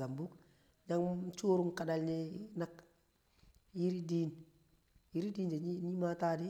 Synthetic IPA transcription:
a˨mbu˦k | ɲa˦ŋ˦t͡ʃuː˦ɾu˦ŋka˨da˨lɲi˦na˦k | ji˦ɾi˦diː˦n | ji˦ɾi˦diː˦nd͡ʒe˨ɲ˦ɲi˦ma˦taː˦di˦

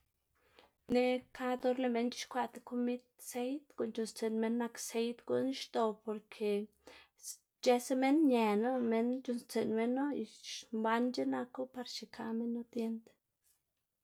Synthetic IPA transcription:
ne˧kʰa˦d̪o˧˦ɾle˧me˧˦nt͡ʃi˦ʃkʷa˧t̪e˧ko˦mi˦t̪̚se˧jt̪ko˨nt͡ʃu˨nst͡se˨nme˧nːa˧kse˧jt̪ɡo̰˧n˦ʃt̪o˧˨po˨ɾkʰe˨ | t͡ʃe˧se˦me˦nɲe˨no˦me˧nt͡ʃu˧nst͡se˨nme˧nːo˦i˧ʃba˧˦nd͡ʒe˦na˧ko˦pa˧ɾt͡ʃi˨kʰa˧me˦nːo˦t̪je˧˦nt̪

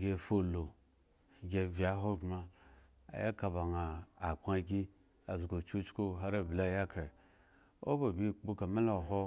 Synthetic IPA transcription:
ɡʲe˨fo˦lo˨ | ɡʲe˦vi˨a˨˦ɦo˦ɡ͡bma˦ | a̰˨ja˦ka˨ba˨ŋaː˨k͡pa˦ɡʲi˦ | a˨zɡo˨t͡ʃu˦t͡ʃko˦ɦa˦ɾa˦˨bla˦˨ja˦ka˨ɾ | o̰˦ba˨bi˦k͡pu˦ka˨ma˦lo˨ɦo˦

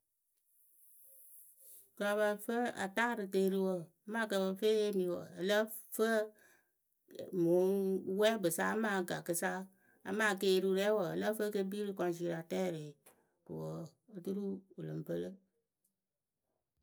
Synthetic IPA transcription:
ka˨ba˧fə˦a̰˨taː˦ɾɨ˨te˧˦ɾɨ˦˧wo˨a˦ma˦ka˧˨bə˧fe˦e˦mi˨˦wə̰˨ə˨lə˦ | fə˦˨ | mo˨˦wɛ˦bɨ˨sa˦maː˦ɡa˨kɨ˧sa˦ | a̰˨maː˦˨ke˧˦ɾu˧ɾɛ˦wə˨ə˨lə˦fə˦ke˧˦bi˦ɾɨ˦kɔ˧n˦si˧˦ɾa˨tɛː˦˨ɾe˨ | ɾɨ̰˨wo˨ | ə˦tu˦ɾu˦u˨lɨ˨mpə˦lə˦

